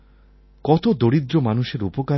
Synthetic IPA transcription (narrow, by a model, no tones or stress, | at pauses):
kɔt̪od̪oɾid̪ɾomanuʃeɾupoka